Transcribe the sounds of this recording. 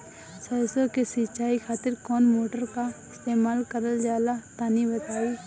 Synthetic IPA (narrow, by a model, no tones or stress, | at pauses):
səsokesɪt͡ʃaːikʰaːt̪ɪɾkɔːnmoːʈəɾkaɪst̪eːmaːlkəɾəld͡ʒaːlat̪aːnibət̪aːi